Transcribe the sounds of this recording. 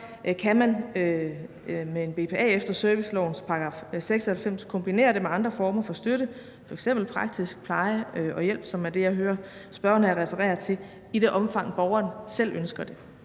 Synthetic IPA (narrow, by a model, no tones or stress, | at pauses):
kʰæmænø | mee̝nb̥e̝pʰe̝ɛ̰ːefd̥ɐsœɐʋislɒ̰ʊn̩spʰɑ̈ɡ̥ʁɑ̰̈ːfseɡ̥sɒhælfem̰skʰɔ̽mb̥ine̝̰ːɐd̥e̝meɑ̈nd̥ʁɐfɒːmɐfɒ̽sd̥øɾə | fɒ̽eɡ̥sem̰b̥l̩pʰʁɑ̈ɡ̥̚d̥ʰisɡ̥̚pʰlɑ̈ɪəʔɒ̽jel̰b̥sɒ̽mæɐd̥e̝jɑ̈ɪɦøːɐsb̥ɶɐnəæɐʁɛfəʁɛ̰ːɐt͡sʰe̝ | iɾ̥e̝ʔɒ̽mfɑ̈ŋ̰b̥ɒʊɐːnsel̰ønsɡ̥ɐd̥e̝